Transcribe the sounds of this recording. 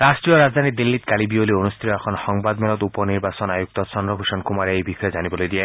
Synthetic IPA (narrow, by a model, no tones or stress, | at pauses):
ɾasʈɾijɔɾazd̪ʱanid̪ilːit̪kalibiolionust̪ʰiɾɔɛkʰɔnhɔŋbad̪melɔt̪upɔniɾbasɔnajuk̚t̪ɔsɔnɾɔbʱuʃɔnkumaɾeejbixʰɔjed͡ʒanibɔlojd̪ia